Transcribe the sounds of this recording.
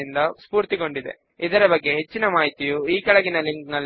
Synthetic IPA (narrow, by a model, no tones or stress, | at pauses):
ind̪ɐspuːɾt̪iko̞ɳɖid̪e̞̰ | id̪ɐɾɐbɐɡːe̞ɦet͡ʃːinɐmaːɦit̪ijuiːkɐɭɐɡinɐliŋknɐlː